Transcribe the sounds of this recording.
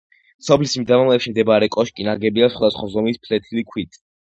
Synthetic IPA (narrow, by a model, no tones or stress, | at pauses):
sɔpʰlisimd̪avamlɛpʃimd̪ɛbaɾɛkʼɔʃkʼinaɡɛbiasχwad̪asχwazɔmispʰlɛt̪ʰilikʰwit̪ʰʼ